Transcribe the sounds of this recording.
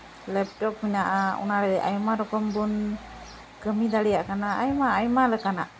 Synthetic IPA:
lɛp̚ʈɔk̚minaʔaɔ̰naɾɛd̪ɛʔa̰jmaɾɔkɔmbun | kəmid̪alijaʔkanaajmaːjmalɛkanaʔ

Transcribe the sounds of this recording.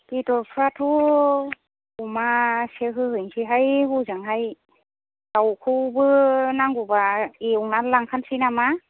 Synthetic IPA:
pitɔɹpʰɾatʰu | umaseɦɯhɯnsʰiɦajhuzaŋɦaj | tawkʰɯwbɯnaŋɡubaeuŋnatlaŋkʰansinama

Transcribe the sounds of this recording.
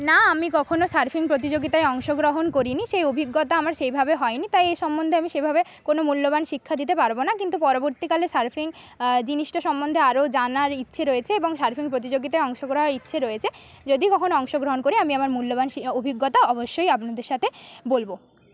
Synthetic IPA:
naamikɔkʰonosaɾfʰiŋpɾot̪̬id͡ʑoɡit̪aeɔŋʃoɡɾoɦonkoɾiniʃejobʱiɡːot̪aamaɾʃejbʱabeɦɔenit̪ajejʃɔmbond̪ʱeamiʃebʱabe | konomulːoβanʃikʰːad̪it̪̬epaɾbonakint̪upɔɾoboɾt̪ikalesaɾfʰiŋ | d͡ʑiniʃʈaʃɔmːond̪ʱeaɾod͡ʑanaɾitːɕʰeɾɔjet͡ɕʰeeboŋʃaɾfʰiŋpɾot̪̬id͡ʑoɡit̪aeɔŋʃoɡɾoɦaɾitːɕʰeɾojet͡ɕʰed͡ʑod̪ikɔkʰonoɔŋʃoɡɾoɦonkoɾiamiamaɾmulːobaniobʱiɡːot̪aɔboʃːojapnad̪eɾʃat̪ʰebolbo

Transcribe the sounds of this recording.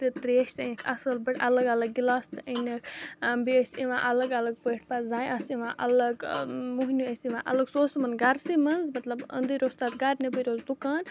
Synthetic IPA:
t̪it̪ɾeːʃt̪ənʲikʰɐsɐlbiʈɐlɐɡɐlɐɡːilaːst̪ɨʔənɐkʰbiəsʲiʋã̰ːʔɐlɐɡɐlɐɡ̚pəːʈʰpazãːjʔasiʋãːʔɐlɐɡmuɦnʲuɐsiʋã̰ːʔɐ̰lɐɡsoːsmɐnɡɐɾsimɐnzmɐt̪lɐbə̰̃nd̪ɨɾoːst̪aːt̪ɡɐɾnebɨɾoːzd̪ukaːn

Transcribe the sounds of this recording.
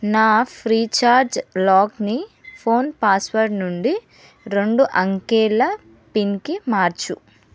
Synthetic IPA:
naːpʰɾiːt͡ʃaːɾd͡ʒlaːknipʰo̞ːnpaːsʋɐɾɖnuɳɖi | ɾe̞ɳɖuʔɐŋkɛːɭːɐ | pinkimaːɾt͡ʃu

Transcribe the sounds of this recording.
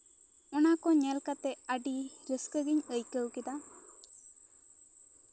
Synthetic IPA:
ɔnakɔɲɛlkat̪ɛəɖiɾəskəɡiɲəjkəwkɛd̪a

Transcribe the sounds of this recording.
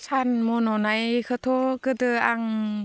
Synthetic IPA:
t͡ʃʰanmonɔnajkʰat̪ʰokəd̪əaŋ

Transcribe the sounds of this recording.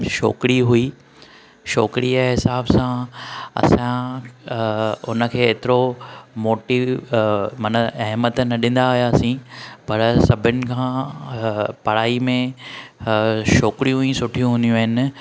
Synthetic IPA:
ʃo̰ːkɪɾiɦui | ʃoːkɪɾiaɦɪsaːbsãɐ̰sã | ʊnə̆kʰeːt̪ɪɾomoːʈi | mɐnəɐɦmət̪nɐɗɪ̃n̆d̪aɦɦjaːsĩpɐɾsɐbʱɪnɪ̆kʰãː | pɐɽ̤aːimẽ | ʃoːkɪɾijũɦuĩsʊʈʰijũɦʊ̃ːnd̪ijũaːɦɪnɪ̆

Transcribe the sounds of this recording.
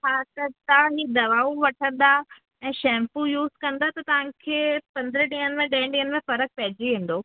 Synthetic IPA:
ɦaːt̪ɐt̪aɦĩd̪ɐʋaːuʋɐʈʰə̃nd̪a | ɛ̃ːʃɛ̃ːmpujuːzkɐ̃nd̪at̪ɐt̪ɐʋ̤ãkʰeːpɐ̃nd̪əɾəɖĩːɦənmẽɖɛ̃ːɪ̃ɖĩːɦənmẽfɐɾək̚pɐɦɪd͡ʑiɦĩːn̆d̪oː

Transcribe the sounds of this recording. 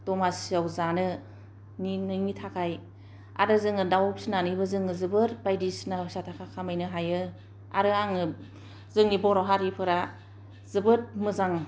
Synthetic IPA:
d̥ɔmasiawzanɯ | ninɯmitʰakʰaj | a̰ɾɯzɯŋɯdawp̚sinanɯbɯzɯŋɯzɯbɯɾbajdisnasatʰakʰakʰamajnɯɦajɯ | a̰ɾɯaŋɯ | zɯŋnibɔɾawɦaɾipʰɯɾa | zɯbɯɾmɯzaŋ

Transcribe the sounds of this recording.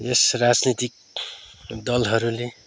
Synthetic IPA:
esrad͡znit̪ik̚ | d̪ʌlɦʌɾule

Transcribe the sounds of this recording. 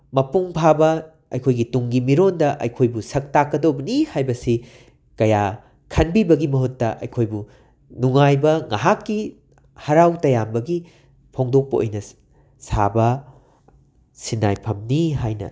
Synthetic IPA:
mɐpuŋpʰabɐ | ɐjkʰojɡituŋɡimiɾondɐʔɐ̰jkʰojbusɐk̚takːɐdobɐnihajbɐsi | kɐja | kʰɐnbibɐɡimɐɦutːɐ̰ʔɐ̰jkʰojbu | nuŋajbɐŋaɦakːi | hɐɾawtɐjambɐɡi | pʰoŋdok̚pɐʔo̰jnɐ | sa̰bɐ | sinːa̰jpʰɐmniɦajnɐ̰

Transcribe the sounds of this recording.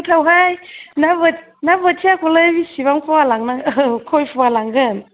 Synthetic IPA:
t̪ʰawɦajnavə | navətʰiakʰuləbisiβaŋfʰɔalaŋnaŋəkʰojfualaŋɡən

